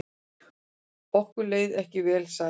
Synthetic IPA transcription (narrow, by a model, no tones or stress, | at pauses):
pɔhkʏleːjðɛhcɪvɛːlsa